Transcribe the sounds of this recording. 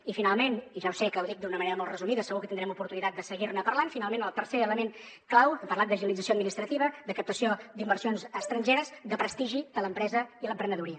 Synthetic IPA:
ifinalˠmeniʒawsekəːwðik̚d̪unəməneɾəmɔlˠrəzumiðəsəɣukət̪ind̪ɾɛmupuɾt̪unit̪at̪̚d̪əsəɣirnəpərlanfinalˠmenəlˠt̪əɾseələmen | klawəmpərlat̪̚d̪əʒənəlid͡zəsioəd̪minist̪ɾət̪iβ̞əd̪əkəp̚t̪əsiod̪imbərsionzəst̪ɾənʲʒeɾəzd̪əpɾəst̪iʒid̪ələmpɾɛzəiləmpɾənəðuɾiə

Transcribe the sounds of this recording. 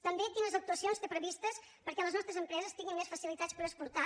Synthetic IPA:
t̪əmbek̪inəzəwk̚t̪uəsionst̪epɾəβist̪əs | pəɾkɛləznɔst̪ɾəzəmpɾɛzəst̪iɣinmesfəsilit̪at͡spəɾəspuɾt̪a

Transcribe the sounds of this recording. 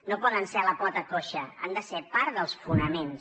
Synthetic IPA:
nopɔðənsɛləpɔt̪əkoʃəa̰nd̪əsepaɾðəlˠsfunəmens

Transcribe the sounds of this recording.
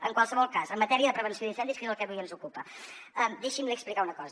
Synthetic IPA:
əŋkwalˠsəβɔlˠkazəmːət̪ɛɾiəðəpɾəβ̞ənsioðinsɛnd̪iskezəlˠkɛβujənzukupə | əmd̪eʃimliəksplikaunəkɔz

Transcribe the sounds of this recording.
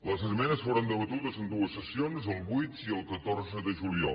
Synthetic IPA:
ləzəsmɛnəsfoɾənd̪əβət̪uðəzənd̪uəsːəsionzəlˠβujt̪iəlˠkət̪orzəðəʒuliɔ̰l

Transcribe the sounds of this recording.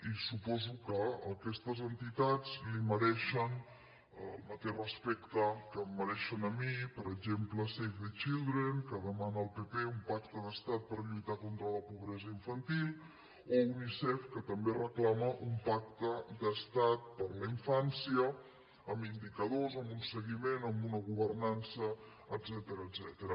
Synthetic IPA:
isupɔzukəəkɛst̪əzənt̪it̪ad͡zliməɾɛʃən | əlˠmət̪eʃrəspɛkt̪əkəmːəɾɛʃənəmipəɾəɡʒempləsejfðet͡ʃilˠd̪ɾenkəðəmanəːlˠpepeumpak̚t̪əðəst̪at̪̚pəɾʎut̪akont̪ɾələpuβɾɛzəiɱfənt̪ilˠ | ounisɛfkət̪əmberəklaməʔumpak̚t̪əd̪əst̪at̪̚pəɾləiɱfansiə | əmind̪ikəðozəmbunsəɣimenəmbunəɣuβərnansəː | d̪zɛt̪əɾəːdzɛt̪əɾə

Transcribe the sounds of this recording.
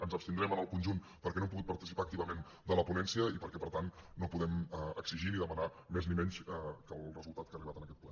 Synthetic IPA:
ənzəpst̪ind̪ɾɛmənəlˠkunʒun | pəɾkɛnoɛmp̬uɣut̪̚pəɾt̪isipaːkt̪iβəmen | d̪ələpunɛnsiəipəɾkɛpəɾt̪anːopuðɛməəksiʒiniðəmənamɛznimɛnsɛkəlˠrəzulˠt̪at̪kariβat̪ənəkɛt̪̚plɛ

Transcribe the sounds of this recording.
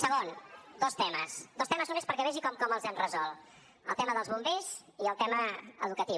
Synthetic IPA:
səɣond̪ɔst̪ɛməsd̪ɔst̪ɛməznumespəɾkɛβɛʒikɔmkɔməlˠzanrəzɔlˠ | ə̰lˠt̪ɛməðəlˠzβumbez | iəlˠt̪ɛməəðukət̪i

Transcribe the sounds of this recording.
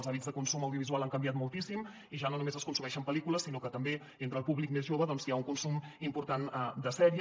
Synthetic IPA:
lzaβid͡zzðəkunsuməwðiuβizualˠaŋkəmbjat̪̚mulˠt̪isim | iʒanonumezəskunsumɛʃəmpəlikuləsinokət̪əmbe | ent̪ɾəːlˠpuβlik̚mezʒoβəðɔnziauŋkunsumimpuɾt̪and̪əsɛɾi

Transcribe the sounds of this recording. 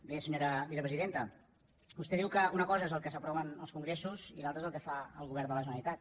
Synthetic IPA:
besəɲoɾəβisəpɾəziðent̪ə | bust̪ɛðiwkəunəkɔzəezəlˠkəsəpɾɔβənəlˠskuŋɡɾesuzilalˠt̪ɾezəlˠkəfaəlˠɣuβɛɾnd̪ələʒənəlit̪at̪̚

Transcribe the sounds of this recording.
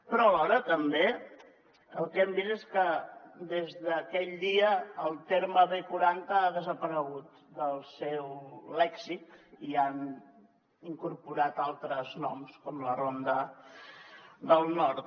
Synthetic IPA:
pɾɔəlɔɾət̪əmbe | əlˠkɛmbizeskəd̪ezðəkɛʎd̪iəːlˠt̪eɾməβekuɾant̪əaðəzəpəɾəɣut̪ | d̪əlˠsɛwlɛksit̪ian | iŋkuɾpuɾat̪alˠt̪ɾəznɔmskɔmlərond̪ə | d̪əlˠnɔɾt̪

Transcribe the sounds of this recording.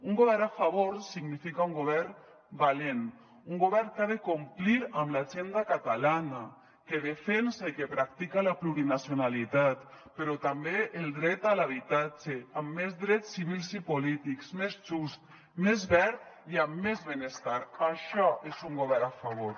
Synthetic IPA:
uŋɡoβɛɾnafaβoɾsiɡnifikauŋɡoβɛɾ | balen | uŋɡoβɛɾŋkaðekumpliɾamlaʒend̪akat̪alana | keðefensakepɾak̚t̪ikalapluɾinasjonalit̪at̪peɾot̪ambeʔeld̪ɾɛt̪alaβ̞it̪ad͡ʒeamːezðɾɛt̪sːiβilsipolit̪iksmezʒust̪ | mezβɛɾt̪iamːezβenest̪aɾaʃɔʔezuŋɡoβɛɾnafaβoɾ

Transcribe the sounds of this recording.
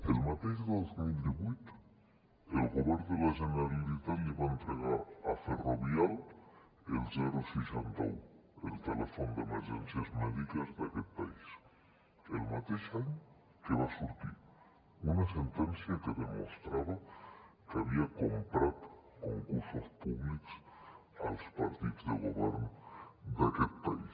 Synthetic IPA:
elmat̪ezðozmild̪iβit̪ | elɣoβeɾðelaʒenaβilit̪aeβaent̪ɾeɣaɾaferoβjal | elzeɾosisant̪o̰wḛlt̪elefond̪emeɾʒḛnsjazmeðikazðakelpais | elmat̪isan | keβasuɾtiɾ | unasent̪ensjakeðemo̰st̪ɾaβakeaβiakompɾaðkoŋkuɾsospuβliksalospaɾt̪iðozðelɣoβjḛɾnod̪eakelpais

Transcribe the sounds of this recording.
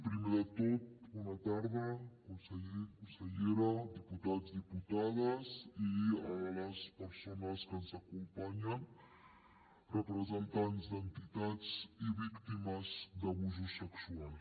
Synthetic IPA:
pɾimeðət̪ot̪̚unɐt̪aɾðəkunsəʎekunsəʎeɾɐd̪iput̪azd̪iput̪aðəziəβələspəɾsonəskənzəkumpaɲən | rəpɾəzənt̪anzd̪ənt̪it̪at͡siβikt̪iməzd̪əβuzusəksual

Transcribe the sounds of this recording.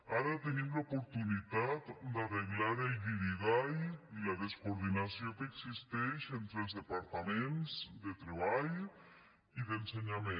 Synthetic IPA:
aɾat̪eniðlaopoɾt̪unit̪at̪d̪eareɣlaɾelɡiɾiɣajilaðeskoɾðinasjoŋkeːksist̪eʃent̪ɾelzðepaɾt̪amẽnsd̪et̪ɾeβaj | iðenseɲame

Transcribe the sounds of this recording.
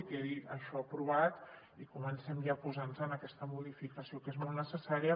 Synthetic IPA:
kɛðiəʃɔapɾuβ̞at̪ | ikumənsɛmjapuzanzənəkɛst̪əmuðifikəsiokezmolˠnəsəsaɾiə

